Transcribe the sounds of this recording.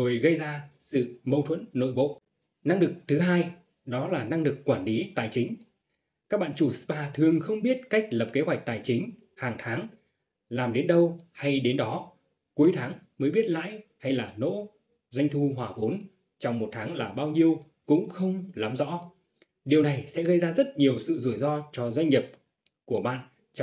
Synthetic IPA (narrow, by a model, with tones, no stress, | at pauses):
zo˨˩jɣə˧jzaː˧sɨ̰˧˨mə˧wt̪ʰwə̰˧˥nːo̰˧˨jɓo̰˧˨ | na˧ŋlɨ˨˩k̚t̪ʰɨ˨˦ɦaː˧j | ɗɔ˨˦laː˨˩na˧ŋlɨ˨˩kːwaː˧˩nli˨˦t̪aː˨˩jt͡ɕï˨˦ŋ̟ | kaː˦˥k̚ɓa̰ː˧˨nt͡ɕu˧˩sɨ˦˥ɓaː˧t̪ʰɨ˨˩əŋxə˧wŋ͡mɓi˦˥ət̚ka˦˥jk̟̚lə˨˩p̚ke˨˦ɦwa˨˩jk̟̚t̪aː˨˩jt͡ɕï˨˦ŋ̟ | haː˨˩ŋt̪ʰaː˨˦ŋ | laː˨˩mɗe˨˦nɗə˧wha˧jɗe˨˦nɗɔ˨˦ | ku˨˦jt̪ʰaː˨˦ŋməː˨˦jɓi˦˥ət̚la̰ː˧˨jha˧jlaː˨˩no̰˧˥ | zwa˧jŋ̟t̪ʰu˧ɦwaː˨˩vo˨˦n | t͡ɕɔ˧wŋ͡mmo˨˩t̚t̪ʰaː˨˦ŋlaː˨˩ɓaː˧wɲi˧əw | kʊ̰˧˥ŋ͡mxə˧wŋ͡mla˨˦mzɔ̰˧˥ | ɗi˨˩əwna˨˩jsɛ̰˧˥ɣə˧jzaː˧zə˦˥t̚ɲi˨˩əwsɨ̰˧˨zu˧˩əjzɔ˧t͡ɕɔ˧zwa˧jŋ̟ɲi˨˩p̚ | ku˧˩əɓa̰ː˧˨n | t͡ɕ